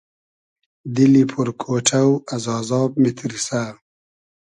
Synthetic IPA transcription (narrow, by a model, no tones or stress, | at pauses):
d̪ilipʰuɾkʰoːʈʰawazɑːzɑːb̚mit̪ʰɾisa